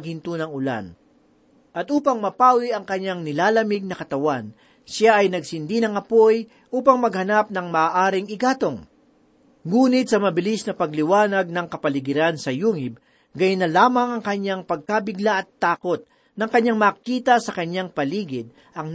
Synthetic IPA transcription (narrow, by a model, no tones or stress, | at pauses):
ɡ̚hɪnt̪unɐŋʊla̰n | ʔɐt̪ʔuːpɐŋmɐpaːwiʔɐŋkɐɲːaŋnɪlaːlɐmɪɡ̚nɐkɐt̪ɐwan | saʔɐjnɐɡsɪnd̪inɐŋɐpoj | ʔuːpɐŋmɐɡ̚hɐnap̚nɐŋmɐʔaːʔaːɾɪŋɪɡaːt̪o̞ŋ | ŋuːnɪt̪̚sɐmɐbɪlisnɐpɐɡlɪwaːnɐɡ̚nɐŋkɐpɐlɪɡɪɾansɐjuːŋɪb̚ | ɡajʊnɐlaːmɐŋɐŋkɐɲːaŋpɐɡ̚kabɪɡlaʔɐt̪ːaːko̞t̪̚ | nɐŋkɐɲːaŋmɐːkiːt̪ɐsɐkɐɲːaŋpɐliːɡɪd̪̚ | ʔɐŋ